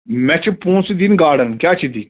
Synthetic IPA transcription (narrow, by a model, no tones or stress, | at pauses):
mɛ̃t͡ʃʰpũːnsid̪inɡaːɽənkjaːt͡ʃʰid̪i